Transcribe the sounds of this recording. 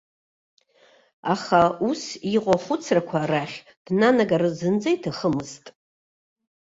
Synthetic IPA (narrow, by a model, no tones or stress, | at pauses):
aχausiqʷʼaχʷʊt͡sʰrakʷʰaraχʲ | d̥nanaɡarɨzɨnd͡zajtʰaχəmɨztʼ